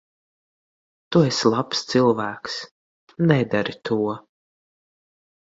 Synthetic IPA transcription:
t̪uɛslˠapst̪sɨlˠvæːks | nɛd̪aɾit̪ʰuɔ

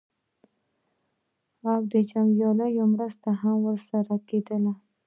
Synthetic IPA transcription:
awd̪əd͡ʒaŋɡjɑləjomɾəst̪aɦamwəɾsaɾaked̪əla

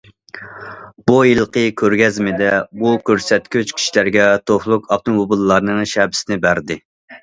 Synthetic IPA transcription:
b̥ujilˠqʰəkʲʰøɾɡʲɛzmɪd̪ɛbukʲøɾsɛt̪̚kʲyt͡ʃkʲʰi̥ʃilæɾɡʲɛt̪ʰoχlˠʊkʰɑp̚t̪ɨmobulˠːɑɾnɨŋʃɛbɪ̥sɪnɪbæɾd̪ɪ

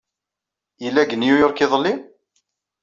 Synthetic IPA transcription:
ilːæɡənjujoɾˤkɪðˤlːi

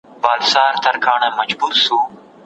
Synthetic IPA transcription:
baːlsaːɾt̪ʰɐɾkʰaːnəməd͡ʒbuːɾsuː

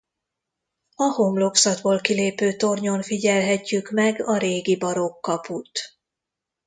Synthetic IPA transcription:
ɒhomlo̞ksɒd̪boːlkileːpøːt̪o̞rɲo̞nfiɟɛlɦɛcːykmɛɡɒɾeːɡibɒɾo̞kːɒput̪

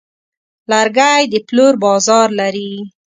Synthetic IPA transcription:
laɾɡajd̪əploɾbɑzɑɾlaɾi

